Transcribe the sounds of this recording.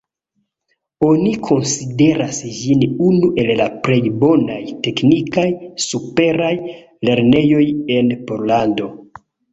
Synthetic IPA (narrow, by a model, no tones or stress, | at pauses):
o̞nikʰo̞nside̞ɾasd͡ʒinunuʔe̞llapɾe̞jbo̞najte̞knikajsupe̞ɾaj | le̞ɾne̞jo̞je̞npo̞ɾlando̞